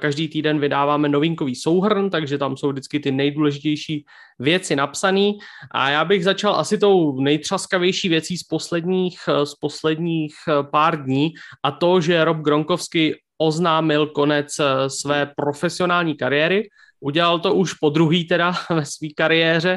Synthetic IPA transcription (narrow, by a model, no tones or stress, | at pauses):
kaʒdiːt̪iːdɛnvɪdaːvaːmɛno̞vɪŋkoviːso̞wɦr̩nt̪aɡʒɛt̪amsowvdɪt͡skɪt̪ɪnɛjduːlɛʒɪcɛjʃiː | vjɛt͡sɪnapsaniːʔa̰jaːbɪɣzat͡ʃalʔa̰sɪt̪o̞wnɛjt̪r̝̥askavjɛjʃiːvjɛt͡siːspo̞slɛdɲiːxspo̞slɛdɲiːxpaːɾdɲiːʔat̪o̞ʒɛɾob̚ɡɾo̞ŋko̞fskɪ | ʔo̞znaːmɪlko̞nɛt͡ssvɛːpɾo̞fɛsɪo̞naːlɲiːkaɾɪjɛːɾɪ | ʔuɟɛlalt̪o̞ʔuʃpo̞d̪ɾuɦiːt̪ɛdavɛsviːkaɾɪjɛːr̝ɛ